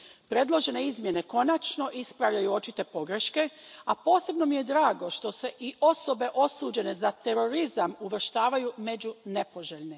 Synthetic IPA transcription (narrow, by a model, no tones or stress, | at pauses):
pɾe̞d̪lˠo̞ʒe̞ne̞izmje̞ne̞ko̞nat͡ʃno̞ʔispɾaʋʎajuo̞t͡ʃit̪e̞po̞ɡɾe̞ʃke̞apo̞ːse̞bno̞mije̞d̪ɾaːɡo̞ʃt̪o̞se̞ʔio̞so̞be̞ʔo̞suːd͡ʑe̞ne̞zat̪e̞ɾo̞ɾizamuʋr̩ʃt̪aːʋajume̞d͡ʑune̞po̞ʒeʎni